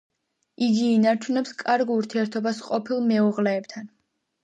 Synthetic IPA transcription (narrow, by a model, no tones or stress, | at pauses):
iɡiːnaɾt͡ʃʰunɛpskʼaɾɡuɾt̪ʰiɛɾt̪ʰɔbasqʼɔpʰilˠmɛuʁlɛːb̚t̪ʰan